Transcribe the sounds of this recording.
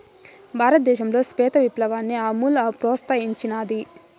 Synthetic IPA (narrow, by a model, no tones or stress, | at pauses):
bʱaːɾɐt̪̚d̪ɛːʃɐmlo̞ːspɛːt̪ɐʋiplɐʋaːnːiɐmuːlɐpɾɔːst̪aːjiɲt͡ʃinaːd̪i